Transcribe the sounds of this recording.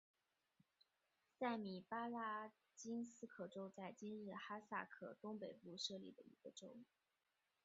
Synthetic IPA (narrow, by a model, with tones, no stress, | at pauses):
sa˥˩ɪmi˨˩pa˥la˥ | t͡ɕi˥nsɹ̩˥˧kʰɤ˥˩ʈ͡ʂo˥ʊt͡sa˥˩ɪt͡ɕi˥nɻɻ̩˥˩xa˥sa̰˥˩kʰɤ̰˥˩t̪ʊ˥ŋpe˨˩ɪpu˥˧ʂɤ˥˧lḭ˥˩d̪ə˩ḭ˧˥ɡ̥ə˧ʈ͡ʂo˥ʊ